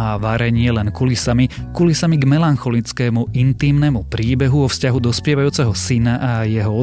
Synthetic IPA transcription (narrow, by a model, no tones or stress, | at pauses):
aʋaɾɛɲɪɛlɛnkulisamikulisamiɡmɛlanxɔlit͡skɛːmuʔint̪iːmnɛmupɾiːbɛɦuɔfscaɦud̪ɔspɪɛʋajuːt͡sɛɦɔsinaʔajɛɦɔɔ